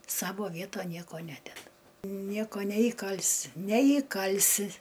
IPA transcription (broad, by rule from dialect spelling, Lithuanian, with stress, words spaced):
ˈsɑːʋoː ˈʋʲiɛtoːn ˈnʲiɛkoː ˈnʲæːdʲɛdɐ ˈnʲiɛkoː nʲɛiːˈkɐlʲsʲɪ nʲɛiːˈkɐlʲsʲɪ